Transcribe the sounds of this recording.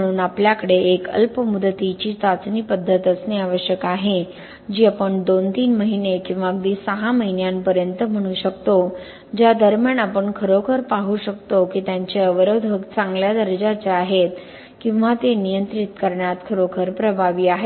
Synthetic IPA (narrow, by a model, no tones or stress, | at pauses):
əɽ̃uːnapljakəɽeekə̰lpəmud̪ʱːət̪it͡ɕiːt͡sat͡sniːpəd̪ʱːət̪əsneaʋəɕjəkaɦe | d͡ʑiːapəɳd̪ont̪iːnməɦinekĩw̃ʋaɡd̪iːsəɦaməɦinjampəɾjənt̪əm̤əɽ̃uɕəkt̪o | d͡ʑjad̪əɾmjanapəɳkʰəɾokʰəɾpaɦuɕək̚t̪okiːt̪jaɲt͡ɕeəʋəɾəd̪ʱəkt͡sãŋɡljad̪əɾəd͡ʑat͡ɕeaɦet̪ | kĩw̃ʋat̪enijənt̪ɾit̪kəɾɳjat̪kʰəɾokʰəɾpɾəbʱaʋiːaɦe